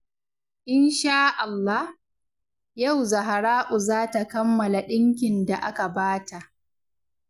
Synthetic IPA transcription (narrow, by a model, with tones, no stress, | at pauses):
ʔɪ˦nʃaː˦ʔa˨lːa˦h | ja˦˨wza˨ɦa˨ɾaː˦ʔʊ˨zaː˦ta˨kɐ˦mːɐ˨la˨ɗɪ˦ŋk̬ʲɪ˨nda˨ʔa˦ka˨baː˦ta˨ʔ